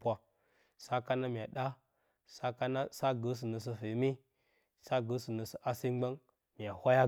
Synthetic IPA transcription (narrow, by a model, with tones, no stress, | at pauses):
pa˦ | sa˦ka˦na˦mi˨a˨ɗa˦ | sa˦ka˦na˦sa˦ɡə˦s̬i˨nə˨s̬ə˦fi˨˦mi˦ | sa˦ɡə˨˦sə˨nə˨sə˦ʔa˦si˦ɡ͡ba˦ŋ | m˨a˨hʷa˦ja˦